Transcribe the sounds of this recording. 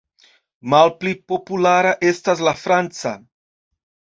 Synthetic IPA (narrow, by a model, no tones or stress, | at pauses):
malplipopulaːɾaʔestas̬lafɾant͡sa̰